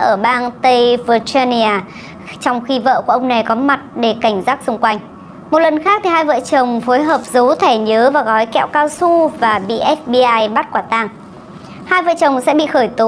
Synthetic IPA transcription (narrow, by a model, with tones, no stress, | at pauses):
ʔəː˧˩ɓaː˧nt̪ə˧jvəː˧˩t͡ɕa˧ni˧aː˨˩ | t͡ɕɔ˧wŋ͡mxi˧və̰ː˧˨ku˧˩ʔə˧wŋ͡mna˨˩jkɔ˨˦ma˨˩t̚ɗe˧˩ka˧˩jŋ̟zaː˦˥k̚sʊ˧ŋ͡mkwa˧jŋ̟ | mo˨˩t̚lə˨˩nxaː˦˥k̚t̪ʰi˨˩ɦaː˧jvə̰ː˧˨t͡ɕə˨˩wŋ͡mfo˨˦jɦəː˨˩p̚zə˨˦wt̪ʰɛ˧˩ɲəː˨˦vaː˨˩ɣɔ˨˦jkɛ̰˧˨wkaː˧wsu˧vaː˨˩ɓḭ˧˨ʔɛ˦˥f̚ɓi˧ʔaː˧jɓa˦˥t̚kwaː˧˩t̪aː˧ŋ | haː˧jvə̰ː˧˨t͡ɕə˨˩wŋ͡msɛ̰˧˥ɓḭ˧˨xəː˧˩jt̪o˨˦